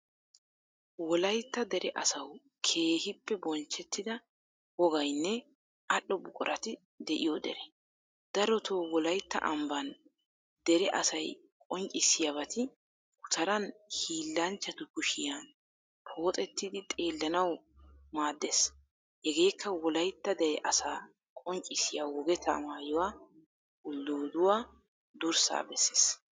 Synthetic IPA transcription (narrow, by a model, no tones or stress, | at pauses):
wɔlɐjt̪ːɐd̪ɛɾɛʔɐsɐw | kʰe̞ːhɪpːɛbɔnt͡ʃːɛt̪ːɪd̪ɐ | wɔɡɐjnːɛ | ɐʔːɔbʊkʼɔ̰ɾɐt̪ɪ | d̪ɛʔɪjod̪ɛ̰ɾɛ | d̪̥ɐɾɔt̪ʰoːwɔlɐjt̪ːɐ̰ʔɐmbɐn | d̪ɛɾɛʔɐsɐj | kʼɔŋkʼɪsːɪjɐβɐt̪ɪ | kʊ̥t̪ʰɐɾɐnhiːlːɐnt͡ʃːɐt̪ʊkʊʃɪjan | pʰo̞ːt̪ʼɛt̪ːɪd̪ɪt̪ʼe̞ːlːɐnɐw | maːd̪ːeːs | hɛɡe̞ːkʰːɐwɔlɐjt̪ːɐd̪ɛɾɛʔɐsaː | kʼɔŋt͡ʃʼɪsɪjawɔɡɛt̪ʰɐ̰maːjɔwaː | ʊlːoːd̪ʊwaː | d̪ʊɾsa̰ːbɛsːe̥ːs